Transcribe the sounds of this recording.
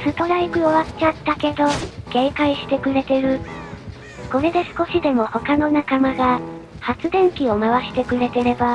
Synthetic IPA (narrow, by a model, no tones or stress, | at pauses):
sɨt̪o̞ɾaikɯ̟o̞βatt͡ɕat̪ːake̞d̪o̞ɡ̥ẽ̞ːkaiɕi̥t̪e̞kɯ̟ɾe̞t̪e̞ɾɯ̟ | ɡ̥o̞ɾe̞d̪e̞sɨ̥ko̞ɕid̪e̞mo̞ho̞kano̞nakamaɡa | hat͡sɨd̪ẽ̞ŋkʲio̞maβaɕi̥t̪e̞kɯ̟ɾe̞t̪e̞ɾe̞ba